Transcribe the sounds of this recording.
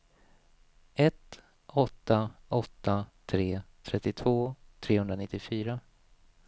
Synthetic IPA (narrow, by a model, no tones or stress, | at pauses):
ɛt̪ | ɔt̪ːaʔɔt̪ːat̪ʰɾeːt̪ʰɾɛt̪ːɪt̪ʰvoːt̪ʰɾeːhɵnd̪ɾanɪt̪ːɪfyːɾa